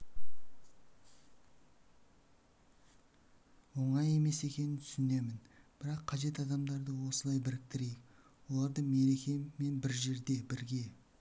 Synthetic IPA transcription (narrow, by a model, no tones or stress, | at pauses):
wo̞ɴɑje̞me̞se̞kʲe̞nɪnt̪ʰʏ̥sɪne̞mɪnb̥ɪɾɑqʰːɑʒe̞t̪ɑd̪ɑmd̪ɑɾd̪əwo̞səlˠɑjbɪɾɪk̚t̪ɪɾejɪk | wo̞lˠɑɾd̪əme̞ɾe̞kʲe̞mːe̞nbɪɾʒe̞ɾd̪e̞bɪɾɡʲe̞